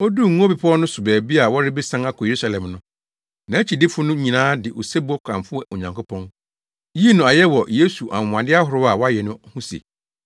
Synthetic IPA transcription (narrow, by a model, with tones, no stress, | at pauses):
ɔ˦du˦˨ŋũ˦o˦bi˨pʰɔ˦nʊ̃˦sʊ˨bɛː˨bi˦a˨wɔ˦ɾɪ˦bɪ˦sã˦na˦kʰɔ˨e˨ɾu˦sa˨lɛ̃˨mnʊ̃˦ | nã˨æ˦t͡ɕʰi˨dɪ˦fʊ˦nʊ̃˦ɲĩ˨nãː˦dɪ˨ʔo˨sɛ˦bʊ˦ɔ˦kʷʰã̰˨mfʊ˦ɛ˨ʔo˨ɲã˨ŋkʰʊ˦pʰɔ̃˦n | ji˦nʊ̃˨a˨jɛ˦wɔ˨jeː˦su˨ʔã̰˨ã˨dɪ˦a˦hʊ˨ɾʊ˦a˨wɔ˦a˦jɛ˨nʊ̃˦hʊ̃˦sḛ˨